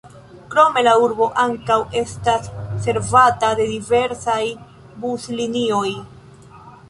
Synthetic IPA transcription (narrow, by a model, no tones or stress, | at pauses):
kɾo̞me̞lauɾbo̞ʔaŋkawe̞stasːe̞ɾvatade̞dive̞ɾsaj | buslinio̞j